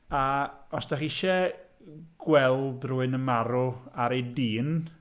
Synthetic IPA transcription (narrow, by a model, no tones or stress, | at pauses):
aɔsd̥aχiʃɛ | ɡ̥wɛlˠdruːɨnəmaɾʊaɾejdiːn